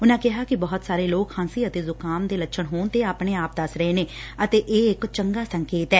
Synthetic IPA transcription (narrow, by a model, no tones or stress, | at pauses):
ʊnãːkɪɦaːkɪbɔːt̪saːɾeːloːkhãːnsiːət̪eːzʊkaːmd̪eːlətːʃʰəɳɦoːɳt̪eːaːpɽ̃eːaːp̚d̪əsɾəɦeːneːət̪eːʔeːɪkt͡ʃəŋɡaːsəŋkeːt̪ɛː